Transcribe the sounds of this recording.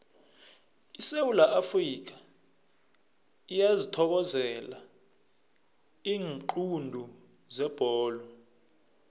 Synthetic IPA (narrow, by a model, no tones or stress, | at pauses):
isewulaʔafrik̬ḁ | ijazitʰɔk̬ɔzɛla | iːŋǃundʱu | zɛb̥ʱɔːlɔ